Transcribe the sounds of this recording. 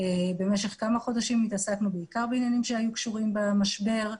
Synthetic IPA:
ebe̞me̞ʃe̞χkamaχo̞daʃimit̪asaknubeikaʁbeinjanimʃeajukʃuʁimbamaʃbe̞ʁ

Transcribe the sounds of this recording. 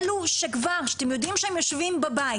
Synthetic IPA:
luʃekvaʁʃat̪emjo̞d̪imʃeemjoʃvimbaba

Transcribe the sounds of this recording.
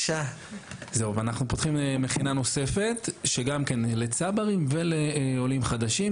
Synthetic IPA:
ʃa | zeuveanaχnupo̞t̪χimme̞χinano̞se̞fe̞t̪ʃe̞ɡamkenlet͡sabaʁimve̞leo̞limχad̪aʃim

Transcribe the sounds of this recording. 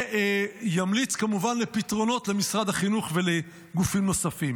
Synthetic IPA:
jamlit͡skamuvanle̞pitʁo̞no̞t̪le̞misʁad̪aχinuχve̞le | ɡufimno̞safim

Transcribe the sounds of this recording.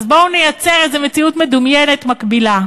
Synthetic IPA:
zbounejat͡seʁezeme̞t͡siut̪med̪umjene̞t̪makbila

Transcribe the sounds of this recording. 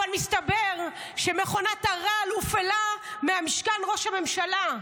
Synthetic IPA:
anmist̪abeʁ | ʃeme̞χo̞nataʁalufelameamiʃkanʁo̞ʃame̞mʃala

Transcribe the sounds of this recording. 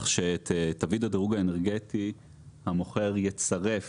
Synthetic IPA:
χʃeːt̪tavidadeʁuɡaeneʁɡet̪i | hamo̞χe̞ʁjet͡saʁe̞f

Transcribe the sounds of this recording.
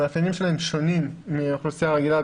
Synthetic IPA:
aːfjanimʃelaemʃo̞nimːiχlusijaʁeɡila

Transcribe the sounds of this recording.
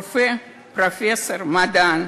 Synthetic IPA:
fɛ | pɾofʲesormad̪an

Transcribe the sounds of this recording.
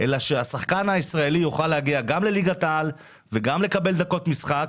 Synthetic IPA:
ʔelaʃeasaχkanaisʁae̞lijoχalehaɡiaɡamle̞liɡat̪al | veɡamle̞kabe̞ld̪ako̞t̪misχak

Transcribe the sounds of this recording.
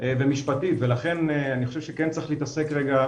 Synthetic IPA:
vemiʃpatit̪velaχe̞neaniχo̞ʃevʃekent͡saiχleiːt̪asekʁeɡa

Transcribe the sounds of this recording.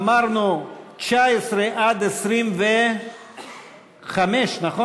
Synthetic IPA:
maɾnut͡ʃaesɾeʔad̪esɾimve | χameʃnaχo

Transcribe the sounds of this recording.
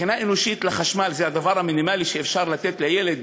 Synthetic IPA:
inaʔenoʃit̪laχaʃmalzehad̪avaʁhaminimaliʃeːfʃaʁlat̪et̪lejeled̪

